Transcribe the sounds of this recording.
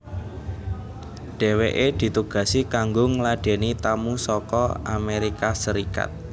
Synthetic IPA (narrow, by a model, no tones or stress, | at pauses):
ɖ̥e̤weʔed̪̥i̤t̪uɡ̥a̤sikaŋɡʊŋlaɖ̥e̤nit̪amusɔkɔa̰meɾikasəɾika̰t̪̚